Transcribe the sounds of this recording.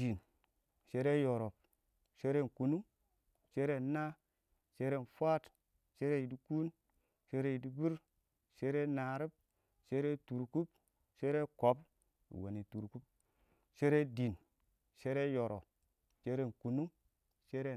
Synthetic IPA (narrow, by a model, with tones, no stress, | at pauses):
i˨n | ʃe˦ɾe˦jo˨ɾo˨p | ʃe˦ɾe˦˨n˨ku˨nu˦ŋ | ʃe˦ɾe˦na˦ | ʃe˦ɾe˦˨n˨fwa˦t | ʃe˦ɾe˦ji˨di˦ku˦n | ʃe˦ɾe˦˨i˨di˦bi˦ɾ | ʃe˦ɾe˦na˨ɾi˦b̚ | ʃe˦ɾe˦tu˨ɾku˦p | ʃe˦ɾe˦ko˨˦p | ḭ˨wo̰˨ni˨tu˨ɾku˦p̚ | ʃe˦ɾe˦di˨n˨ | ʃe˦ɾe˦jo˨ɾo̰˨p | t͡ʃe˦ɾe˦˨n˨ku˨nu˦m | ʃe˦ɾe˦˨